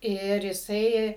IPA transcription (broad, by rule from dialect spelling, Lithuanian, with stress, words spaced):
ˈɪr jɪˈsɐɪ